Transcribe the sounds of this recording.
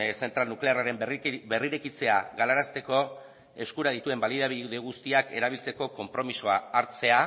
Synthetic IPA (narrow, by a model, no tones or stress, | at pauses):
se̞nt̪ɾalnukle̞araɾe̞mbe̞riɾekit͡se̞aɣalaɾast̪e̞ko̞ | e̞skuɾaðit̪ue̞mbaliðaβiuðe̞ɣ̞ust̪iake̞̰ɾaβ̞ilt͡se̞ko̞ko̞mpɾo̞misoaːɾt͡se̞a